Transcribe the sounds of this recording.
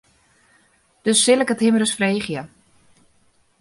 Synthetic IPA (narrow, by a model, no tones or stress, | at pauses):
d̥øsːɪləkəthɪmərəsfreːχjə